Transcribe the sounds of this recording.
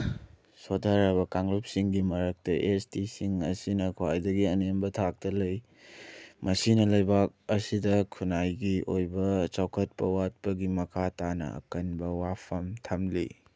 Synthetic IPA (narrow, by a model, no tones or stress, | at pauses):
sodʱaɾɐβɐkaŋlup̚siŋɡimɐɾɐk̚tɐʔestisiŋɐsinɐkʰwajdɐɡiɐnembɐtʰak̚tɐlɐj | mɐsinɐlɐjbak̚ɐsidɐkʰunajɡiojbɐt͡ʃawkʰɐt̚pɐwat̚pɐɡimɐkʰatanɐ̰ɐ̰kɐnbɐwapʰɐmtʰɐmlḭ